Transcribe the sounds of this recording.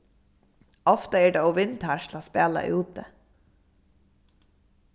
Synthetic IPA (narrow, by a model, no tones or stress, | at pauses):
ɔft̪əeːɖeːoːʋɪnt̪hæʃlaːspeːlɑ̰ʔʉːt̪ə